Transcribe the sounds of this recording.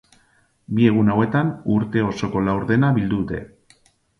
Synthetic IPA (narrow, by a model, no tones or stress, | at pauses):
bie̞ɣ̞unawe̞t̪anuɾt̪e̞o̞so̞ko̞lawɾðe̞naβild̪uðut̪e̞